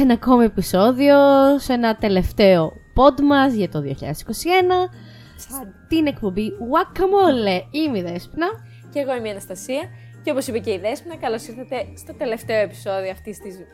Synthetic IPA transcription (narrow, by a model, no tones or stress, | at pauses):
enɐːko̞mie̞piso̞ðio̞se̞nɐt̪e̞le̞ft̪e̞o̞po̞d̪mɐzʝɐt̪o̞ðioçḭʎɐ̰ðesi̥kosie̞nɐ | st̪ine̞kpombiwɐkːɐmoleimeiðe̞spnɐ | ceːɣoemiɐnɐst̪ɐsiɐ | ceo̞po̞sipeceiðespnɐkɐlosiɾθɐt̪e̞st̪o̞t̪ele̞ft̪e̞o̞e̞pi̥so̞ðioɐft̪ist̪iz